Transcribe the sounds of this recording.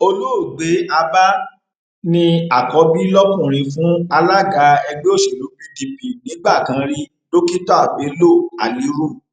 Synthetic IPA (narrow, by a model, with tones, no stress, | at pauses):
o˧lu˦˨ɡ͡be˨˦a˧ba˦ | nĩ˧a˨kɔ˨˦bi˦lɔ˦kũ˦˨ɾ̃ĩ˧fũ˨˦a˧la˦ɡa˧˦ɛ˧ɡ͡be˦o˦˨ʃe˨lo˨˦bi˧di˧pi˨nĩ˨˦ɡ͡ba˦˨kã˨˦ɾi˦ | lo˦ki˦tɔ˦a˦˨ɡ͡be˨˦lo˦˨a˨li˨˦ɾu˦˨